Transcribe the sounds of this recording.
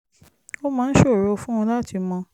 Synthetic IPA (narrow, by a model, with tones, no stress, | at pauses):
o˦mãː˨˧˦ʃo˦˨ɾo˨˧fũ˦ɔ̃˧la˦tʰi˧mɔ̃˧